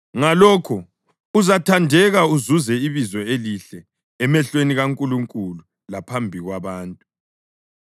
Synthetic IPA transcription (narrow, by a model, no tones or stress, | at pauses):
ŋalɔːkʰɔ | uzatʰandʱɛɣauzuzɛiβizɔeliɬɛ | ɛmɛɬweniɣaŋkʼuluŋkʼulu | lapʰambʱiɣwaβaːntʼu